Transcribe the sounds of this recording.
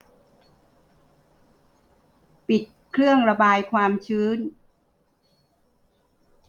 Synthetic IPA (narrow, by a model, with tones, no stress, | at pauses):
pi˨˩t̪̚kʰɾɯ˥˩əŋɾa˧baː˧jkʰwaː˧mt͡ɕʰɯː˦˥˨n